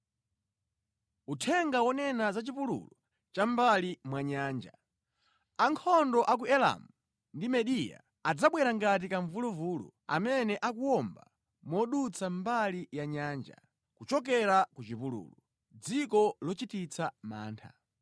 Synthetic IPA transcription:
utʰɛŋɡawɔnɛnazat͡ʃipulṵlɔ | t͡ʃambalimwaɲaːnd͡ʒa | aŋkʰɔndɔʔak̬uɛla̰mu | ndimɛɗija̰ | ad͡zaɓwɛɾaŋɡat̬ikaɱvuluvuːlṵ | a̰mɛnɛʔakuwɔmba | mɔɗut͡sʰambalijaɲaːnd͡ʒa̰ | kut͡ʃɔk̬ɛɾakut͡ʃipulṵːlɔ | d͡zikɔlɔt͡ʃitit͡sama̰ːntʰa̰

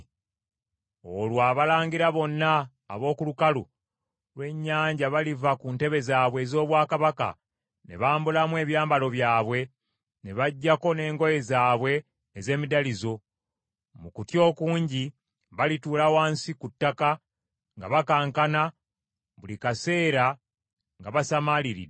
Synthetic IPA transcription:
olwaːβalaːŋɡiɾaβo̞nːaː | βo̞ːkulukalṵ | lwe̞ɲːaːɲɟaβalivakunte̞βe̞zaːβwe̞ːzo̞ːβwaːkaβaka̰ | ne̞̰βaːmbulamwe̞ːβjaːmbalo̞βjaːβwe̞ | ne̞βaɟːako̞ne̞ːŋɡo̞je̞zaːβwe̞ː | ze̞ːmidalizo̞ | mukutjo̞ːkuːɲɟi | βalituːlawaːnsikutːaka | ŋɡa̰βakaːŋkana | βulikase̞ːɾa | ŋɡaβasamaliɾḭ

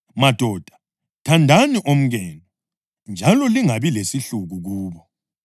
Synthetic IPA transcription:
mad̥ʱɔd̥ʱḁ | tʰandʱaniʔom̩ɣɛːnɔ | nd͡ʒʱalɔliŋaβilesiɬuɣuɣuːβɔ

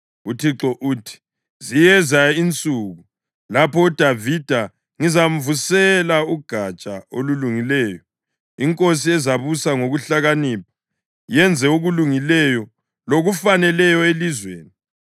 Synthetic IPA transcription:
utʰiǁɔʔuːtʰi̥ | zijɛzaint͡sʼuːɣu | lapʰɔud̥ʱavid̥ʱa | ŋizam̩vusɛlauɡ̥ʱat͡ʃʼao̰luluŋilɛːjɔ | iŋkʼos̬iɛzaβusaŋoɣuɬaɣaniːp̚ʰḁ | jɛnd͡zʱɛuɣuluŋilɛjɔ | loɣufanɛlɛjɔelizwḛːni

